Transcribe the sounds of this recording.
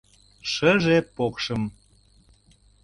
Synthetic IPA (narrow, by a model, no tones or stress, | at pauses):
ʃəʒepokʃəm